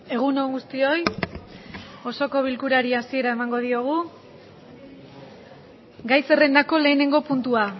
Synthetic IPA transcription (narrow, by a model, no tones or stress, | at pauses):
e̞ɣ̞unoŋɡust̪io̞j | o̞so̞ko̞β̞ilkuɾaɾiasie̞ɾae̞maŋɡo̞ð̞io̞ɣ̞u | ɡajse̞re̞nd̪ako̞le̞ːne̞ŋɡo̞punt̪ua